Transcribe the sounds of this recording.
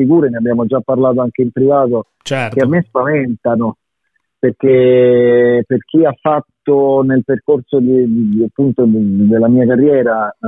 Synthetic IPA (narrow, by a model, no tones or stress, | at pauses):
fikuːɾeneabːjaːmod͡ʒapːarlaːt̪̬oaŋkeimpɾivaːt̪o | t͡ʃkeamːespavɛnt̪ano | perk̟e | perk̟iafːat̪ːonelperkorsod̪id̪iapːunt̪od̪elːamiːakarːjɛːɾa